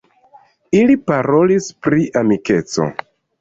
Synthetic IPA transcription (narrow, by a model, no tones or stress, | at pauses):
ilipaɾo̞lispɾiʔamike̞t͡so̰